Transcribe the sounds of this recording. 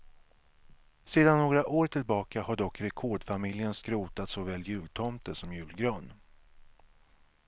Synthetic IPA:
seːd̪anːoːɡɾaʔoːɾʈʰɪlbɑːkahaɖɔkːɾɛkʰoːɖfamɪljənskɾuːt̪at̪sɔvɛːlːjʉ̟ːlt̪ʰɔmt̪əsɔmjʉ̟ːlɡɾøːn

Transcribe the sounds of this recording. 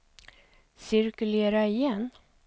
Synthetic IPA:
sɪɾkɵleːɾaɪjɛnː

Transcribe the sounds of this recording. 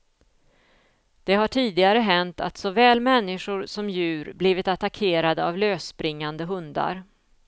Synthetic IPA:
d̪̥ɛɦaʈʰiːd̪ɪɡaɾəɦɛnt̪a̰t̪sɔvɛːlmɛnːɪʂʊɾsɔmjʉ̟ːɾbliːvɪt̪at̪akʰeːɾad̪əavløːspɾɪŋːand̪əɦɵnd̪a̰ɾ

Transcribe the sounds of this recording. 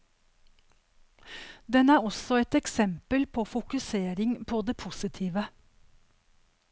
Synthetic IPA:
d̪ɛnæːɾɔsɔɛt̪ɛksɛmpəlpʰoːfʊkʉseːɾɪŋpʰoːd̪eːpʰusɪt̪ʰiːʋə

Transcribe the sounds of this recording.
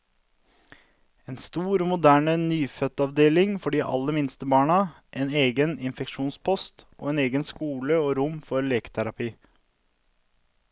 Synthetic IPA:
eːnst̪uːɾoːmʊd̪æːɳənyːfœt̪ɑʋd̪eːlɪŋfɔɖiːʔɑ̰lːəmɪnst̪əbɑːɳɑ | ʔeːneːɡənɪnfɛkʂuːnspʰɔst̪ʔo̰ːeːneːɡənskuːləoːɾʊmfɔɾleːkə̥t̪ʰæɾɑpʰiː

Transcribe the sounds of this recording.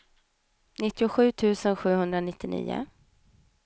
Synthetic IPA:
nɪt̪ːɪʊɧʉ̟ːt̪ʰʉ̟ːsənɧʉ̟ːhɵnd̪ɾanɪt̪ːɪnḭːʊ̰

